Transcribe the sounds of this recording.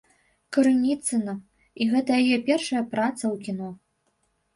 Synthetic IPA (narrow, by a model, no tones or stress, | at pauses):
kɐɾɨnʲit̪sɨnɐ | iɣɛt̪ɐjajɛpʲɛrʂɐjɐpɾat̪sɐwkʲinɔ